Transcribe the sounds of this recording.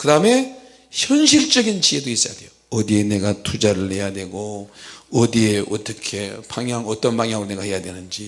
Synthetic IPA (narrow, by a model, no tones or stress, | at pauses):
kɯdaɯme̞ | çjʌnɕ̬ʰiɭt͡ɕ͈ʌɡint͡ɕiedois͈ʌjadwe̞jo | ʌdie̞ne̞ɡatʰud͡ʑaɾɯɭhe̞jadwe̞ɡoʌdieʔʌt͈ʌkʰe̞paŋjaŋʌt͈ʌnpaŋjaŋɾone̞ɡahe̞jadwenɯnd͡ʑi